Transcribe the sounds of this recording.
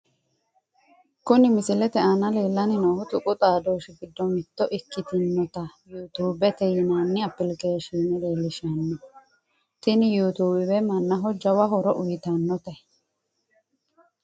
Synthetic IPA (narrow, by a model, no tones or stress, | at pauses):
kʊnɪmɪsɪlɛt̪ɛʔɐnɐle̞ːlːɐnɪnɐhʊt̪ʊkʼʊt̪ʼaːd̪oːʃɪfɪd̪ːɔmɪt̪ːɔʔɪkːɪt̪ɪnːɔt̪ɐjuːt̪uːbɛt̪ɛjɪnaːnːɪɐpːɪlkeːʃiːnɪleːlːɪʃɐnːɔ | t̪ɪnɪjuːt̪uːbɪbɛmɐnːɐɦɔd͡ʒːɐwɐɦɔɾɔʔʊjɪt̪ɐnːɔt̪ɛ